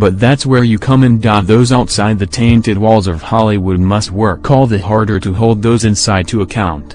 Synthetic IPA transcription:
b̥ʌt̪̚ðætswə˞jɨkʰʌ̃mɨ̃ndɑðoʊzaʊtsaɪd̪̚ðɨtʰẽɪ̃ntɨd̚wɔlˠzʌv̥hɑlˠiwəd̚mʌst̚wɜ˞kʰːɔlˠðɨɦɑɹɾə˞ɾɨɦoʊlˠd̪̚ðoʊzɨ̃nsaɪd̚tʰɨːkʰãʊ̃nt

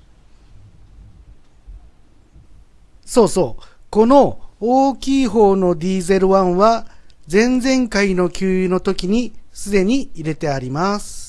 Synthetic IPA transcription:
so̞ːso̞ːko̞no̞oːkʲiːɦo̞ːno̞d̪ʲiːze̞ɾɯ̟βãɰ̃βazẽ̞nd͡zẽ̞ŋkaino̞kʲɯːno̞t̪o̞kʲiɲ̟isɨd̪e̞ɲ̟iiɾe̞t̪e̞aɾʲimasɨ̥

